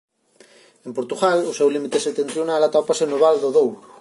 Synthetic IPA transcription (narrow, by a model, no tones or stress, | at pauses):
empoɾt̪uɣalʊsɛwlimit̪eset̪ent̪θɾjonalat̪ɔpasenoβald̪oðowlu